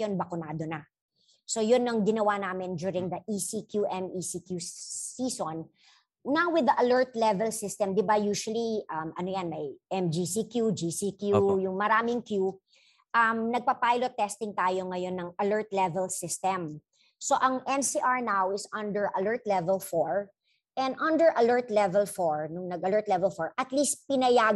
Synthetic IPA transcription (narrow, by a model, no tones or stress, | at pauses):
onbɐkʊnaːd̪onɐ | so̞jʊnːɐŋɡɪnɐwanaːmɪnd͡ʒuɹɪŋd̪ɐʔisikjuʔɛmisikjusiːson | nawwɪðɐʔɐlɜɹt̪lɛvɛlsɪst̪ɛmd̪ɪbajuːʃwɐliʔɐmɐnojɐnmɐjʔɛmd͡ʒisikjud͡ʒisikjujʊŋmɐɾaːmɪŋkju | ʔɐmnɐɡ̚pɐpajlot̪ːɛst̪ɪŋt̪aːjoŋɐjo̞nːɐŋɐlɜɹt̪lɛvɛlsɪst̪ɛm | soʔɐŋʔɛ̃nsiʔaɹnawɪsɐ̃nd̪ɛɹʔɐlɜɹt̪lɛvɛlfoɹ | ʔɛ̃nd̪ʔɐ̃nd̪ɛɹʔɐlɛɹt̪lɛvɛlfɔɹnʊŋnɐɡɐlɜɹt̪lɛvɛlfɔɹʔɐt̪list̪̚pɪnɐjaː